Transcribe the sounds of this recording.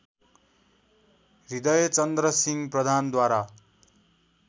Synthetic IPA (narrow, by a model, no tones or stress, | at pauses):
rid̪ʌjt͡sʌnd̪rʌsiŋprʌd̪ʱand̪waɾa